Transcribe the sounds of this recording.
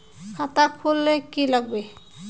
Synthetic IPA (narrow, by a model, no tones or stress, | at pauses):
kʰat̪akʰulːekilaɡ̚be